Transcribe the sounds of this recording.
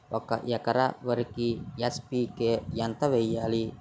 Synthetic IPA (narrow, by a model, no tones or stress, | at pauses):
wʔakaʔijakaɾa̰wəɾkijaspikejant̪awejali